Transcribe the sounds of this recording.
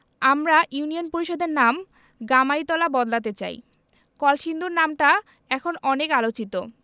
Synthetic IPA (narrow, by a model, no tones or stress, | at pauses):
amɾaʔjunionpoɾiʃod̪ʱeɾnam | ɡamaɾit̪ɔlabɔd̪lat̪̬et͡ɕa̰j | kɔlʃind̪ʱuɾnamʈa | ɛkʰonɔnekalot͡ɕit̪o